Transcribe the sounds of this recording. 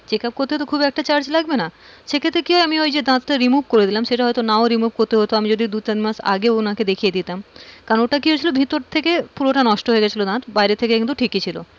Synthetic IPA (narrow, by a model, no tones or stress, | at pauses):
d͡ʑekap̚koɾt̪eɦot̪okʰubiɛk̚ʈat͡ɕaɾd͡ʑlaɡbenaʃekʰet̪ːɾekiɦɔjamiojd͡ʑed̪ãt̪taɾimubkoɾed̪ilamʃeʈaɦɔjt̪onaoɾimubkoɾt̪eɦot̪oamid͡ʑod̪id̪ut̪animaʃa̰ɡeonaked̪ekʰijed̪it̪amkaɾooʈakiɦojt͡ɕʰilobʱit̪oɾt̪ʰekepuɾoʈanɔʃʈoɦoeɡɛt͡ɕʰilod̪ãt̪bajɾet̪ʰekekint̪uʈʰikit͡ɕʰilo̰